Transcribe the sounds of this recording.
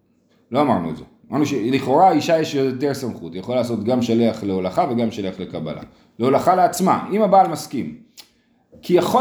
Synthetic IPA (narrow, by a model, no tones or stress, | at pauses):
lo̞amaʁnuḛze | maʁnuʃeliχo̞ʁaiʃajeʃjooteʁsamχutjeχoalaːs̬o̞t̪ɡamʃaleaχleolaχaveɡamʃaleaχle̞kaba̰la̰ | leolaχaleat͡sma̰imabaːlmaskim | kijaχo